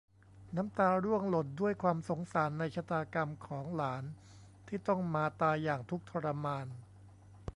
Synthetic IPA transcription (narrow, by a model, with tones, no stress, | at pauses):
na˦˥mt̪aː˧ɾu˥˩əŋlo˨˩t̪̚du˥˩əjkʰwaː˧mso˩˦ŋsaː˩˦nːa˧jt͡ɕʰa˧˥t̪aː˧ka˧mkʰɔː˩˦ŋlaː˩˦n | t̪ʰiː˥˩t̪ɔ˥˩ŋmaː˧t̪aː˧jaː˨˩ŋt̪ʰu˦˥k̚t̪ʰɔ˧ɾa˧maː˧n